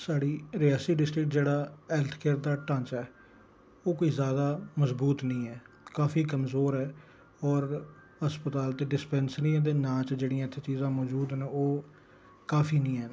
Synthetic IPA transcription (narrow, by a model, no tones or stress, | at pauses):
saːɽiːɾɪjaːsiːɖɪsʈɾɪkʈd͡ʒeːɽaːɛːlt̪ʰkeːɾd̪aːʈãːɲt͡ʃɛː | oːkoiːzjaːd̪aːməzbuːt̪nĩːɛː | kaːfʰiːkəmzoːɾɛː | ɔːɾ | həspət̪aːlt̪eːɖɪspɛːnsnĩːd̪eːnãːt͡ʃd͡ʒeːɽiːãːt̪ʰːeːt͡ʃiːzãːmɔːd͡ʒuːd̪nẽːoː | kaːfʰiːnĩːɛː